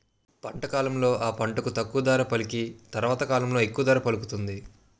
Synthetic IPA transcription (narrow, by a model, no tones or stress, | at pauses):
pɐɳʈɐkaːlɐmlo̞ːʔaːpɐɳʈɐkut̪ɐkːuʋɐd̪aːɾɐpɐlikit̪ɐɾɐʋaːt̪ɐkaːlɐmlo̞ːe̞kːuʋɐd̪aːɾɐpɐlukut̪und̪i